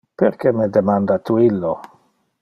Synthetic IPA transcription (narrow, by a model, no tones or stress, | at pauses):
pḛɾkemed̪emand̪at̪uilːo